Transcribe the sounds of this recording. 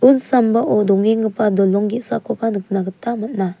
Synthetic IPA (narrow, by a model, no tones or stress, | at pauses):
unsambaʔɔdɔŋiŋɯpʰadɔlɔŋɡisakʰɔpʰanɯk̚naɡɯtːamɯt̚na